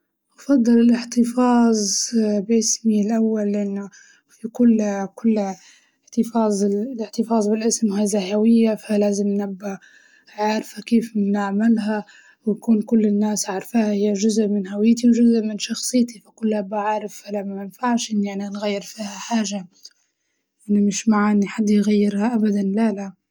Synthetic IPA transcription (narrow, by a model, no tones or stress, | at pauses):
ʔɑfɑd̪ˤːɑlɪlɪħt̪ɨfɑːzˤbʔɪsmilʔawːalːʔanːʊ | fikʊlːkʊlː | ħt̪ɨfɑːzˤlɪħt̪ɨfɑːzˤbɪlʔɪsmhazaɦawɪjːafalaːzɪmnnabːa | ʕaʕɾfakeːfnɪʕmɪlɦa | wjkuːnkʊlːɪnːaːsʕaɾˤfahahɪjːaʒʊzʔmɪnɦawɪjːt̪iwʒʊzʔmɪnʃɑxsˤɨjːt̪ifakʊlːʔabːaʕaʕɾˤɪfalamɪnfaʕʃʔɪnːaʕninɣajːɪɾfiːhaħaːʒa | ʔɪnːimɪʃmaʕaʔɪnːiħad̪ːjɣajːɪɾhaʔabad̪anlæla